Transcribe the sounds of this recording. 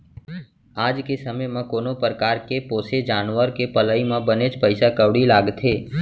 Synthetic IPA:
aːd͡ʒkesəməjmãkoːnopɾəkaːɾkepoːsed͡ʒaːnʋəɾkepələːimãbənet͡ʃpəɪsakəʋɽilaːɡt̪ʰeː

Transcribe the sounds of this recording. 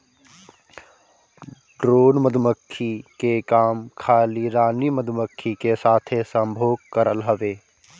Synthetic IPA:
ɖɾoːnməd̪ʱməkʰːikekaːmkʰaːliɾaːniməd̪ʱməkʰːikesaːt̪ʰesə̃mbʱoːɡ̚kəɾəlɦəʋeː

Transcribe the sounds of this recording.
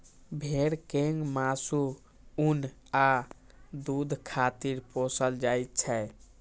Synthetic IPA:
bʱeɾkeŋɡmasu | una | d̪ud̪ʱkʰat̪iɾposəld͡ʒajt̪t͡ʃʰɛ

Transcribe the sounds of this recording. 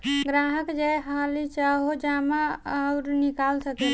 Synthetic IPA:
ɡɾaɦəkd͡ʒajɦalit͡ʃaɦod͡ʒamaʊɾnikalsəkɛ

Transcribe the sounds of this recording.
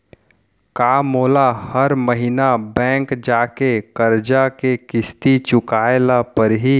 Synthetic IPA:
kaːmoːlahəɾməɦɪnabɛ̃ːŋkd͡ʒaːkekəɾd͡ʒakekɪst̪it͡ʃʊkaːelapəɾɦi

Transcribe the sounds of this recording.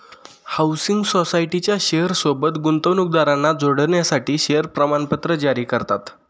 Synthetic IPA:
hawsiŋɡsosaiʈit͡ɕjaɕeɦəɾsobət̪ɡunt̪əʋnuk̚d̪aɾanːad͡zoɽəɳjasaʈiːɕeəɾpɾəmanpət̪ɾəd͡ʑaɾiːkəɾt̪at̪

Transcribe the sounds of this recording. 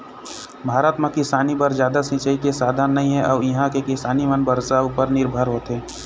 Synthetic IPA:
bʱaːɾət̪mãkɪsaːnibəɾzd͡ʒjaːd̪asɪ̃t͡ʃəit̪esaːd̪ʱanːɐɦĩɦɛʔɔːɾjɐɦãkekɪsaːnimənbəɾsaʊpəɾnɪɾbʱəɾɦoːt̪ɦɛː

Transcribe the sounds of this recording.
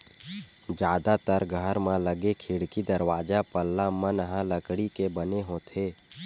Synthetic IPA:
d͡ʒjaːd̪at̪əɾɡʱəɾmãləɡekʰiɽkid̪əɾwaːd͡ʒapəlːamənɦãləkɽikebəneɦõːt̪ʰeː

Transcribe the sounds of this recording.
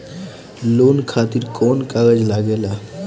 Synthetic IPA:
lonkʰat̪iɾkʰɔnkaɡəd͡ʑlaɡela

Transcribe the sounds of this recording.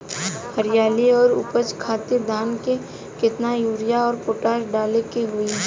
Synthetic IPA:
həɾɪjaːliɔːɾʊ̰pət͡ʃkʰaːt̪ɪɾd̪ʱaːnke | kɪt̪najuːɾɪjaɔːɾpoːʈaːʃɖaːlekeɦʊi

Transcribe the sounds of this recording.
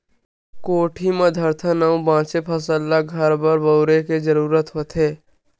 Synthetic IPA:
koːʈʰimẽd̪ʱəɾt̪ʰənəũbãːt͡ʃepʰəsəlːaɡʱəɾbəɾbəʊɾeked͡ʒəɾuːɾət̪ɦot̪eː

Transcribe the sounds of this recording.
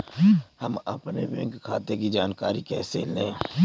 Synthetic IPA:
hɐmɐ̰pnebɛ̰̃ŋkkʰːaːt̪ekid͡ʒaːnkaːɾikɛ̰ːsḛːlẽ

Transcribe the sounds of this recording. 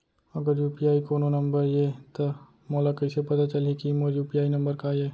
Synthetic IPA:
ɐɡəɾjuːpijaːikoːnonɐ̃mbəɾjeːt̪o | mɔːlakɐɪsepɐt̪at͡ʃɐlikimoɾjuːpijaːinɐ̃mbəɾkaːjeː

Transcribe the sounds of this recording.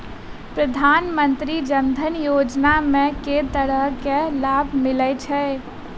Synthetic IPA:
pɾəd̪ʱaːnmə̃nt̪ɾid͡ʒənd̪ʱənjoːd͡ʒnamẽket̪əɽəɦkelaːbʱmɪlət͡ʃʰɛ

